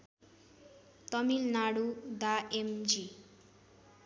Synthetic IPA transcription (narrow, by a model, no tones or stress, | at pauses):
t̪ʌmilnaɽud̪aemd͡zi